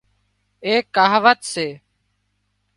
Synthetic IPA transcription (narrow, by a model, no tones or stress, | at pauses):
eːkːaːɦʋət̪seː